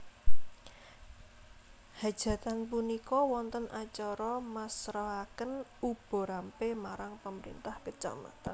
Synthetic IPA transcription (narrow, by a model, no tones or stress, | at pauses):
had̥ʒ̥ä̤t̪anpunikɔwɔnt̪ənat͡ʃɔɾɔmasɾaɦakənub̥ɔ̤ɾampemaɾaŋpəməɾḭnt̪ahkət͡ʃa̰ma̰t̪an